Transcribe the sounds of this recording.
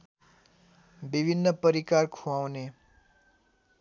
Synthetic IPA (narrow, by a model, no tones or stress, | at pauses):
bibʱinːəpʌɾikaɾkʰuawne